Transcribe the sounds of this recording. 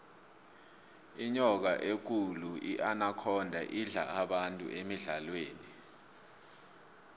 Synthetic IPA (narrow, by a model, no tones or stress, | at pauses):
iɲɔk̬aʔek̬uluʔiʔanakʰɔndʱaʔiɮa̰aɓantʼṵʔemiɮalweːni